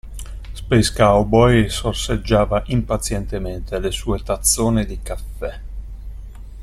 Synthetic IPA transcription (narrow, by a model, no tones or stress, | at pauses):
speskawbɔjsorsed͡ʒːaːvaʔimpat̪sjɛnt̪ement̪elesuːet̪at̪sːoːned̪ikafːɛ